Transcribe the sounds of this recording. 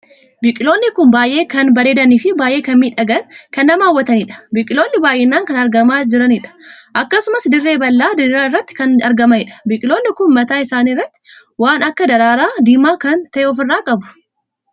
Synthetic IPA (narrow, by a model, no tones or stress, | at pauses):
bɪkʼɪlo̞ːnːɪkʊnbaːjʔe̞ːkɐnbɐɾe̞ːd̪ɐniːfɪbaːjʔeːkɐnmiːᶑɐɡɐnkɐnːɐmaːwːɐt̪ɐnɪᶑɐ̥bɪkʼɪlo̞ːnːɪbaːjʔɛnːaːŋkɐnɐɾɡɐmaːd͡ʒɪɾɐnɪᶑɐ̥ʔɐkːɐsʊmɐsd̪ɪrːeːbɐlːaːd̪ɪɾɾaːɪrːɐt̪ːɪ̥kɐnɐɾɡɐmɐnɪᶑɐ̥bɪkʼɪlo̞ːnːɪkʊnmɐt̪aːɪsaːniːrːɐt̪ːɪ̥waːnɐkːɐd̪ɐɾaːɾaːd̪iːmaːkɐnt̪ɐʔɛɔf̬ɪrːaːkʼɐbʊ̥